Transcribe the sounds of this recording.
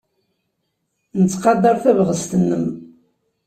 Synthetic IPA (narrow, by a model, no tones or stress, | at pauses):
nət͡sːqɑd̪ɑɾˤθævʁəst̪ənːəm